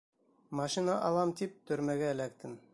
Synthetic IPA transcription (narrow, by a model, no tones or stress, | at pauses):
mɑʃinɑʔɑlˠɑmt̪ip̚t̪ɵ̆ɾmæɡæɘ̆læk̚t̪ɘn